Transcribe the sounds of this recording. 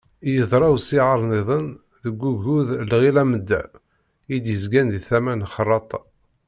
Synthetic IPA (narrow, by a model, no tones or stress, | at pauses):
jəðˤɾˤɑwsiʕəɾˤniðˤən | ðəɡʷːuʝuðlʁilæməd̪ːæ̰ | id̪jəzɡænðiθæmænχərˤːɑt̪ˤɑ